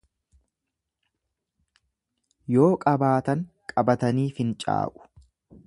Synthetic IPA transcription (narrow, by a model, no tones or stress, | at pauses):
jo̞ːkʼɐbaːt̪ɐŋkʼɐbɐt̪ɐniːfɪnt͡ʃʼa̰ːʔʊ̥